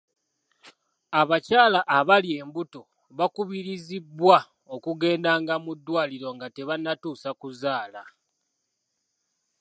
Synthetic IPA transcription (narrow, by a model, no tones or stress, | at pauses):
aβacaːlaʔːβalje̞ːmbuto̞ | βakuβiɾizibːwa | okuɡe̞ːndaŋɡamudːwaːliɾo̞ŋɡate̞βanːatuːsakuzaːla